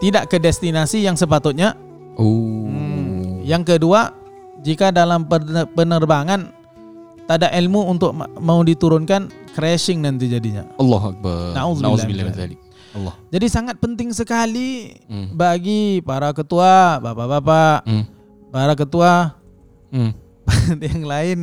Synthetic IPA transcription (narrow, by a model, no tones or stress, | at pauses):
t̪idaʔkədɛst̪inasijaŋsəpat̪ʊt̪̚ɲa | o | jaŋkədua | d͡ʒikadalampəpənərbaŋan | t̪adaʔilmuunt̪ʊk̚maudit̪uɾʊnkankɾɛsɪŋnant̪̬id͡ʒadiɲa̰ɔlːɔɦak̚banauznazlabilaa̰li | lːɔd͡ʒadisaŋat̪̚pənt̪ɪŋsəkalibaɡipaɾakət̪uabapabapaʔ | paɾak̬ət̪ua | pajaŋlaɪn